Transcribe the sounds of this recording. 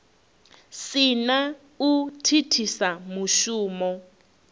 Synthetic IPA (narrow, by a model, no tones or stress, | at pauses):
sɪna | utʰitʰisamuʃuːmɔ